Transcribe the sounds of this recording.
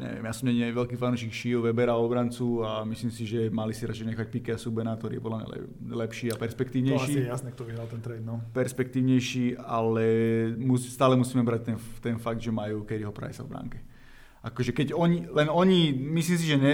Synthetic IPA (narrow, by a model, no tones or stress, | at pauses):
ɲɛ̰ʋɪjɛ̰mjaːsɔmɲɛɲiɛʋɛlkiːfanuːʃikʃijuʋɛbɛɾaɔbɾant͡suamislimsiʒɛmalisiɾat͡ʃɛɪɲɛxac̚pikɛasubɛnakt̪ɔɾḭːjɛpɔd̪lamɲa̰lɛ̰ | lɛpʃiːapɛɾspɛkt̪iːʊɲɛjʃiːɛjasnɛkt̪ɔʋiɦɾalt̪ɛnt̪ɾɛd̪nɔpɛɾspɛk̚t̪iːʊɲɛjʃiːa̰lɛmust̪aːlɛmusiːmɛbɾac̚t̪ɛnt̪ɛnfaɡ̚d̪ʒɛmajuːkɛd̪iɦɔpɾa̰jsa̰vbɾa̰ŋkɛ | akɔʒɛkɛɟɔɲilɛnɔɲimisliːms̬iʒɛɲɛ